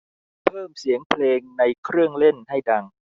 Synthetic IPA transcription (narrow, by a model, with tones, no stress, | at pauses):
pʰɤː˥˩msi˨˩˦əŋpʰleː˧ŋna˧jkʰɾɯ˥˩əŋle˥˩nha˥˩jda˧ŋ